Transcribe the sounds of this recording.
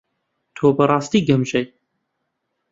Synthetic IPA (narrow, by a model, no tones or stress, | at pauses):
t̪ʰoːbɐrˤɑːst̪iːɡɨmʒɛj